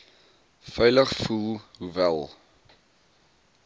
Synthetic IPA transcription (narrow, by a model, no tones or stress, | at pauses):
fœjləχfulˠɦuvælˠ